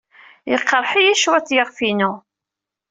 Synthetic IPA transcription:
jəqːəɾˤħijæʃwæt͡sːjəʁfinu

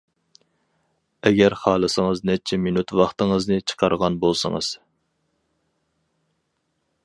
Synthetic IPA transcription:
ɛɡʲɛɾχɑːlˠɨsəŋəznɛt͡ʃʰɛminut̪wɑχt̪əŋəznɨt͡ʃʰə̥qʰɑɾʁɑnbolˠsə̰ŋɨ̰z̥

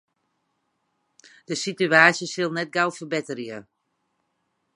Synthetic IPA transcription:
d̥əsityaːsjəsɪlˠnɛt̚ɡawfərbɪtərjə

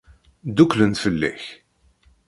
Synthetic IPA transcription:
d̪uklənt̪fəlːæ̰ç

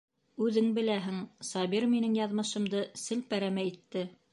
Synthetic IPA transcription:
ʉðɘŋbɘ̆læɦɘŋsɑβiɾminɘŋjɑðmɤ̆ʃɤ̆md̪ɤsɘlpæɾæmæit̪ːɘ

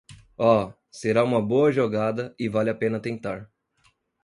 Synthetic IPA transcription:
ɔ | seɾaũmɐboɐʒoɡad̪ɐɪvalɪapẽnɐt̪ẽnt̪aɾ

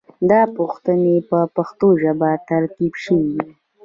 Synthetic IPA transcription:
d̪ɑpuxt̪ənepəpaxt̪oʒabat̪aɾkibʃəwid̪i

